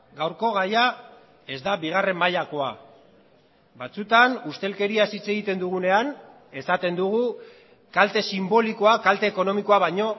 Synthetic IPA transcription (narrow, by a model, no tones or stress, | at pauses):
ɡawɾko̞ɣaja | e̞zd̪aβiɣ̞are̞mːaʎako̞a̰ | bat͡sut̪anust̪e̞lke̞ɾiasit͡se̞ɣit̪e̞nd̪uɣune̞an | e̞sat̪e̞nd̪uɣu | kalt̪e̞simbo̞liko̞akalt̪e̞ːko̞no̞miko̞aβajɲo̞